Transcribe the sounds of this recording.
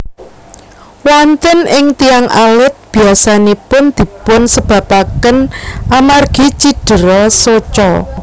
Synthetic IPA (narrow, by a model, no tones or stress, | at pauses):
want̪ənɪŋt̪iaŋʔalɪt̪̚b̥i̤asanepʊnd̪̥i̤pʊnsəb̥ä̤pakənʔamarɡ̥it͡ʃiɖ̥ə̤ɾɔsot͡ʃɔ